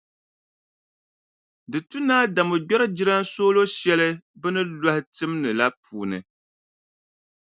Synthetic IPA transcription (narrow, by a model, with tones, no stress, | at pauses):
dɨ˨tu˦naː˦da˨mo˨ɡ͡bɛ˦ɾɨ˦d͡ʒi˦ɾa˦n˦soː˦lo˦ʃɛ˦lɨ˦bɨ˦nɨ˦la˦hɪ˦tɨ˦m˦nɨ˨la˦pʰuː˨nɨ˨